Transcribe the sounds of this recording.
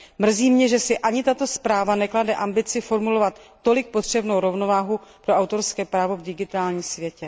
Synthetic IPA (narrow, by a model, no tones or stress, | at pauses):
mr̩ziːmɲɛʒɛsɪʔaɲɪt̪at̪o̞spɾaːvanɛkladɛʔambɪt͡sɪfo̞ɾmulo̞vat̪ːo̞lɪk̚po̞t̪r̝̥ɛbnowɾo̞vno̞vaːɦupɾo̞ʔawt̪o̞ɾskɛːpɾaːvo̞vdɪɡɪt̪aːlɲiːmsvjɛcɛ